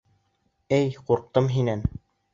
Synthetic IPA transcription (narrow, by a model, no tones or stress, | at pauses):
ɘjquɾq̚t̪ɤmɦinæn